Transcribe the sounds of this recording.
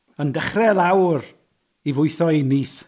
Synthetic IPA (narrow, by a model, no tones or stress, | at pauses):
əndəχrɛlˠawr | ivʊɨθɔiniːθ